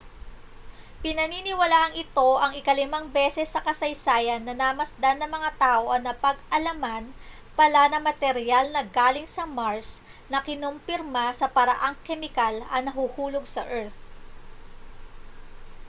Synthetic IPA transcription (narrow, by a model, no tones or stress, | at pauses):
pɪnɐninɪwɐlaːʔɐŋɪt̪o̞ʔɐŋɪkɐlɪmaŋbɛsɛsːɐkɐsɐjsaːjɐnːɐnamɐsd̪anːɐmɐŋat̪aːʔo̞ʔɐnɐpɐɡʔɐlɐman | pɐlanɐŋmɐt̪ɛɾjalnɐɡaːlɪŋsɐmaɹs | nɐkɪnompɪɾmasɐpɐɾɐ̰ʔaŋkɛmɪkalɐnɐɦuhuːloɡsɐ̰ʔɛɹt̪̚